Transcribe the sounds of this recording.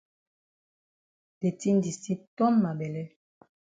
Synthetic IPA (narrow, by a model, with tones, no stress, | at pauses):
de˨ti˦n˦di˨si˦tɔ˦mma˨bɛ˨lɛ˦